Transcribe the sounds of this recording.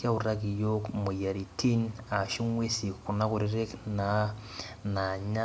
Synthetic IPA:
ja˦u˨ɾa˦ki˨jo˦kmu˨ja˨ɾi˨tʰi˦n | a˨ʃu˦ŋwe˦si˨ku˨na˦ku˨ɾi˦ɾe˦kna | na˨ɲa˦

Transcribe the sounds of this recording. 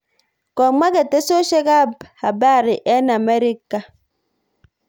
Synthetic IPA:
kɔ˨ma˦ke˨te˦so˦ʃe˦ka˦˨bha˨ba˦˨ɾi˨ʔe˦na˨me˦ɾi˦kːa˨

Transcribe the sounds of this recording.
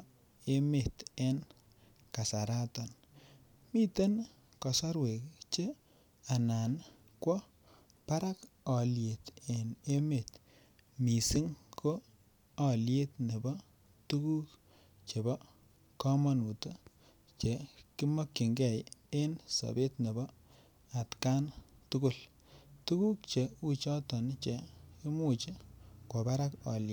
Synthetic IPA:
e˦me˨te˦n | ka˨sa˨ɾa˦tɔ˨n | mi˦te˦n | kɔ˨sa˦ɾwe˨kt͡ʃe˦ | a˨na˨n | kwɔ˦ | pa˦ɾa˦kɔ˨lje˨te˨ne˦me˨t | mi˨sɪ˦ŋkʰoː˦˨ | lje˦tne˨bɔ˦ | tu˦ku˦k | t͡ʃe˨bɔ˦ | kɔ˦mɔ˦nu˨to˦ | t͡ʃe˨ki˦mɔ˦kːi˨ŋɡɛ˦˨je˦nso̰˨be˦tne˨bɔ˦ | a˨tka˦ntu˦kʊ˦˨l | tu˦ku˦k̚t͡ʃe˨u˦t͡ʃɔ˦tɔ˨nt͡ʃe˨i˦mu˦t͡ʃe˦kwo˨pa˦ɾa˦kɔ̰˨lje˨

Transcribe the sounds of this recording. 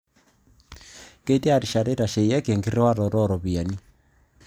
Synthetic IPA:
ke˦te˦a˨ɾi˨ʃa˨ɾe˦ɾa˨ʃe˨jɛ˦ke˨ŋɡi˦ɾe˦wa˦ɾɔ˨ɾɔ˦ɾɔ˨βi˨a˨ni˦

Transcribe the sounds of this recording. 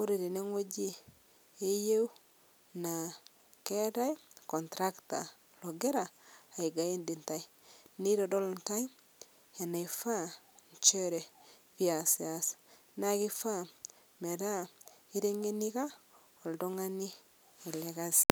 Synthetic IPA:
o˦ɾe˨ɾi˨ne˦ŋo˦d͡ʒi˦ | e˦je˦w | na˨ | ke˦ta˦jkɔ˨ntɾa˦kta̰˨ | lo˨ɡe˦ɾaː˨i˨ɡa˨i˦ndi˨nta˦i˦ | ni˦ɾo˨do˦lnta˦j | e˨na˨ifa˦˨ | ɲ˨t͡ʃe˦ɾe˨ | pi˦a˨sa˨s | na˨ki˦fa˦ | me˨ɾa˦i˦ɾe˦ŋe˦ni˦ka˦ | o˨ldo˦ŋa˦ni˦ | e˨le˨ɡa˦s

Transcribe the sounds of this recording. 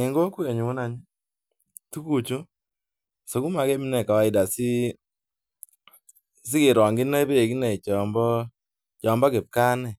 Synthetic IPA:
ɪ˨ŋɡo˦ku˦e˨ɲu˨wu˦na˨ɲ˦ | tu˦ku˨t͡ʃu˦˨ | so˨ku˦ma˨ɡɛ˦mi˦nɛ˨ka˨wa˦ɪ˨da˨sɪ˦ | s̬ɪ˦kɪ˨ɾɔ˨ŋɡɪ˦n˦a˦be˦e˨ɡi˦nɛ˨t͡ʃɔ˨mbɔ˦ | t͡ʃɔ˨mbɔ˦ɡe˨p̚ka˦nɛ˨

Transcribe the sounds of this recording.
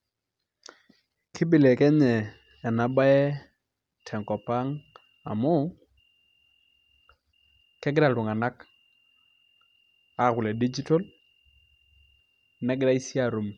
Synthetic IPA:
kʰɪ˦bɪ˨le˨kɛ˦ɲɛː˨ | na˨ba˦ɛ˦ | tʰɛ˨ŋkɔ˨pa˦ŋ | a̰˨mʊ˦ | kɛ˦ɡɪ˦ɾa˨lʊ˨ŋa˨na˦k | a˨kʊ˨lɛ˨di˦d͡ʒi˦tɔ˦l | nɛ˦ɡɪ˦ɾa˦i˦sja˦˨ɾu˨m

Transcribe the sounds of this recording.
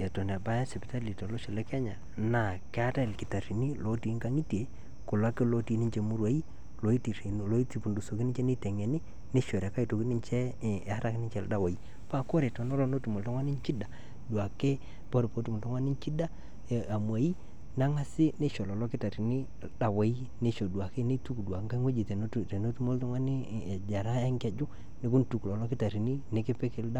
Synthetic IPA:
e˨to˨n˨a˨ba˦ja˦se˨pi˨ta˦li˨to˨lɔ˦ʃɔ˨lɛ˦kɛ˦ɲa˨ | na˨ke˦a˦ta˦e˨lkɪ˨ta˨ri˨ni˦lo˦ti˨˦ŋka˦ŋi˦ti˨e˨ | ku˨la˦ke˦lo˦ti˨˦ni˦ɲt͡ʃe˨mu˦ɾwa˦i˦ | lo˨˦i˦ti˨ɾlo˦i˦ti˨pu˨ndu˨so˨ki˦nɪ˦ɲt͡ʃɛ˦ni˦tɛ˨ŋɛ˨ni˦ | ne˦ʃo˨ɾa˨ka˦i˨to˨ki˦ni˦nt͡ʃɛ˦˨a˦ɾa˦kɪ˦nɪ˦ɲt͡ʃɛ˦˨da˦wa˨i˦ | pa˦˨ko˦ɾe˨to˨nɔ˦lo˦no˦tu˨mo˨lto˦ŋwa˦ni˦nt͡ʃi˦da˨ | dwa˨ke˦ | po˦ɾpo˦tu˨mu˨tɔ˦ŋwa˦nɪ˦n˦t͡ʃi˦da˦˨ | a˨mwa˨i˦ | na˦ŋa˦sɪ˦ne˦ʃo˨lɔ˨lɔ˦kɪ˦ta˨ɾi˨ni˦˨lda˨we˨i˦ | ne˦ʃo˨dwa˨ke˦ni˦tu˦kdwa˨ka˦ŋwe˦d͡ʒi˨tn˦˨te˨no˦tu˦mo˦ltɔ˦ŋwa˦nɪ˦˨d͡ʒa˨ɾa˦ja˦ŋkɛ˨d͡ʒʊ˦ | nɪ˨ku˦n˨tu˨klɔ˨lɔ˦kɪ˦ta˨ɾi˨ni˦ne˨kɪ˦pe˦ke˨˦lda˦

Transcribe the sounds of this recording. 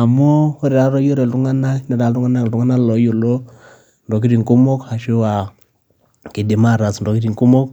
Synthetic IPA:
a˨mo˦o˦ɾe˨ɾa˨˦ɾɔ˦jo˦ɾe˨ltu˦ŋa˦na˦na˨ɾa˨ltu˦ŋa˦na˦kltu˦ŋa˦na˦lɔ˨˦jo˨lo˦ | ndɔ˨k̬i˦ɾi˨ŋku˦mɔ˦ka˨ʃo˦wa˨ | ki˨di˨ma˦˨ɾa˨sndɔ˨ki˦ɾi˨ŋku˦mɔ˦k̚

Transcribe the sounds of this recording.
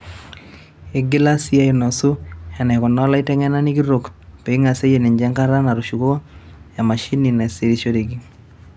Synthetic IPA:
e˦ɡɪ˦la˦si˦a˦i˨nɔ˨su˦ɛ˨nɛ˨kɔ˨nɔ˦la˦i˦tɛ˦ŋɛ˦na˦ni˦k̬i˦ɾo˨kpe˨i˦ŋa˨se˦je˨ne˨ɲd͡ʒɛ˦ŋka˦ɾa˦na˨ɾu˨ʃu˨ko˦ | ja˨ma˨ʃi˦ni˨na˨e˨se˨ɾi˨ʃo˦de˨ɡi˦

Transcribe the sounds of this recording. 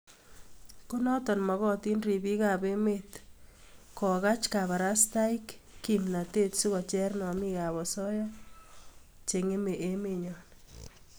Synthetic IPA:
ko˦nɔ˦tɔ˨nmɔ˨ɣɔ˦ti˦nri˨bi˦ka˨be˦met | kɔ˨ɣa˦t͡ʃka˨βa˨ɾa˦sta˦i˦kːimna˨te˦tsu˦ɣɔ˨t͡ʃɛ˦rnɔ˨mi˦ka˨βɔ˨sɔ˦ja˦ | t͡ʃe˨ŋe˦me˨ʔe˦me˨ɲɔ˨n

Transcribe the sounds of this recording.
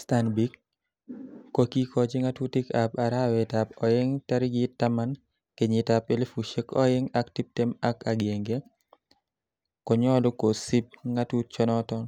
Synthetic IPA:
sta˨nbi˦k̚ | o˨ki˦kʰɔ˨d͡ʒɪ˦ŋa˦tu˦tɪ˦ka˨pa˨ɾa˦wɛ˨ta˨pɔ˨ɪ˦ŋta˦ɾɪ˦ɡɪ˦tːa˦ma˦n | ke˨ɲɪ˨ta˨pe˨le˦fu˨ʃe˦kɔ˦ɪ˦ŋa˦kti˦p̚te˦ma˦ka˨ɡje˨ŋɡe˦ | kɔ˨ɲɔ˦lo˦ko˨si˦p̚ŋa˦tu˦t̚t͡ʃɔ˦nɔ˦tɔ˦n

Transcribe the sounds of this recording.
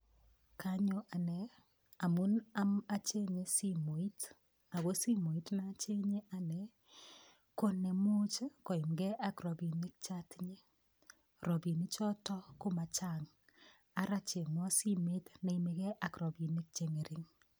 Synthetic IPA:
ka˨˦ɲo˦ʔa˨nɛ˨ | a˨mu˦na˦ma˦t͡ʃe˦ɲe˦si˦mo˨i˦t | a˨ɡo˦si˦mo˨i˦tna˦t͡ʃe˦ɲe˦ʔa˨nɛ˨ | ko˦ne˨mu˦t͡ʃko˨i˨mɡɛ˦ʔa˦kɾɔ˨bi˨ni˦k̚t͡ʃa˦tɲe˦ | ɾɔ˨bi˨ni˦t͡ʃɔ˦tɔ˦ko˦ma˨t͡ʃa˦ŋ | a˨ɾa˦t͡ʃe˨ŋɔ˦si˦me˦tne˨i˨me˨kɛ˦ʔa˨kɾɔ˨bi˨ni˦k̚t͡ʃe˨ŋe˨ɾʔi˦ŋ

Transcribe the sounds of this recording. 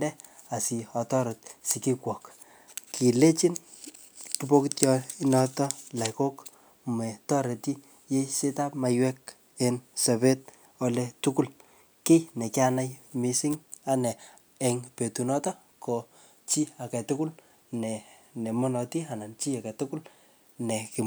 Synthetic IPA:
ndɛ˦ | a˨si˨ɔ˨tɔ˦ɾɔ˨t̚si˨ki˦kwɔ˨k | ki˨le˦t͡ʃi˦n | tubo˦kitjɔinɔ˦tɔ˦la˨jko˦k | me˨tɔ˦ɾe˨ti˦ | je˦se˦ta˦pma˨jwɛ˦k | ensɛ˨βe˦t̚ | o˦letuku˦l | ki˦ne˨ki˦ana˦jmisi˦ŋa˦nɛ˨ | ɛ˨ŋpe˨tu˨nɔ˦tɔ˦ | ko | t͡ʃi˦a˨kɛ˨tu˦ku˦l | nɛ˨ne˨mo˦nɔ˨ti˦a˨na˨nt͡ʃi˦a˨kɛ˨tuku˦l | nɛ˨ki

